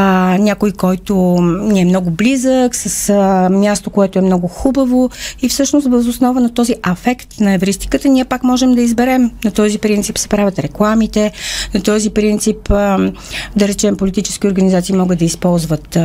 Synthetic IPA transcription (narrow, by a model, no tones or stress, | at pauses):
nʲakojkɔjt̪ʊniɛmnɔɡʊblizəksəsmʲjast̪okoɛt̪oɛmnɔɡʊxubəvoifsɤʃnos̬t̪vəzosnɔvənɐt̪ɔziʔɛfɛkt̪nɐɛvɾist̪i̥kət̪əniɛpakmɔʒɛmd̪ɐizbɛɾɛmnɐt̪ɔzipɾint̪sipsɛ̥pɾavʲət̪ɾɛklˠamit̪ɛnɐt̪ɔzipɾint̪sip | d̪ɐɾɛt͡ʃɛmpolit̪it͡ʃɛ̥sk̟ioɾɡənizat̪simɔɡəd̪ɐispɔlˠzvət̪